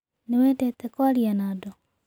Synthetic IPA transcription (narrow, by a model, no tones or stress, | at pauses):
newɛtɛt̪ɛkwaɾianaːdɔ